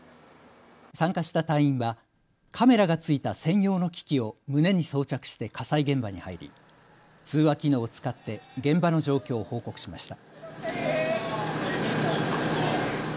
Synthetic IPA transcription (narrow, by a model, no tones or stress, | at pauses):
sãŋkaɕi̥t̪at̪ãĩɰ̃βa | kʰame̞ɾaɡat͡sɨit̪asẽ̞ɰ̃jo̞ːno̞kʲi̥kʲio̞mɯ̟ne̞ɲ̟iso̞ːt͡ɕakɯ̟̥ɕi̥t̪e̞kʰasaiɡẽ̞mbaɲ̟ihaiɾʲḭ | t͡sɨːβakʲino̞ːt͡sɨ̥kat̪ːe̞ɡẽ̞mbano̞ʑo̞ːkʲo̞ːho̞ːko̞kɯ̟̥ɕimaɕi̥t̪a